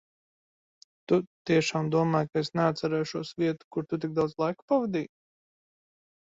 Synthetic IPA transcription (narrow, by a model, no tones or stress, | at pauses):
t̪ut̪iɛʃaːmd̪uɔmaːjkaesneat̪t̪sɛɾɛːjʃuɔsviɛt̪u̥kuɾt̪ut̪̬iɡ̚kd̪awd̪zlˠajku̥pavad̪iːj